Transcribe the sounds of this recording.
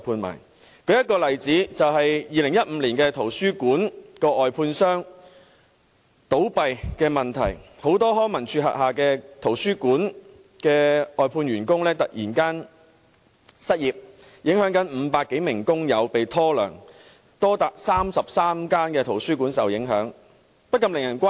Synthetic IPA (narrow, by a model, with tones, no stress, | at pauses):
pʰuː˧nma̰ː˨˩n | kʰɵ˨˥jɐ˥t̚kɔː˧lɐ˨˩jt͡siː˨˥t͡sɐ˨whɐ˨jjiː˨lɪ˨˩ŋjɐ˥t̚m̩˨˧˥liː˨˩nkɛː˧t̪ʰo˨˩wsyː˥kuː˨˥nkɔː˧ʔɔː˨jpʰuː˧nsœː˥ŋ | t̪o˨˥wpɐ˨jkɛː˧mɐ˨nt̪ʰɐ˨˩jho˨˥wt̪ɔː˥ɦɔː˥ŋmɐ˨˩nt͡ʃʰyː˧ɦɐ̰˨t̚ɦaː˨kɛː˧t̪ʰo˨˩wsyː˥kuː˨˥n | kɛː˧ɔː˨jpʰuː˧nɥyː˨˩nkʊ˥ŋlɛː˥t̪ɐ˨t̚jiː˨˩nkaː˥n | sɐ˥t̚jiː˨p̚ | jɪ˨˥ŋhœː˨˥ŋkɐ˨˥nm̩ː˨˧paː˧kːe˨˥jmɪ˨˩ŋkʊ˥ŋjɐ˨˧wpe˨jt̪ʰɔː˥lœ̰ː˨˩ŋ | t̪ɔː˥t̪aː˨k̚saː˥msɐ˨p̚saː˥mkaː˥nkɛː˧t̪ʰo˨˩wsyː˥kuː˨˥nsɐ˨wjɪ˨˥ŋɦœ̰ː˨˥ŋ | pɐ˥t̚kːɐ˧mlɪ˨˩ŋjɐ˨˩nkʷaː˥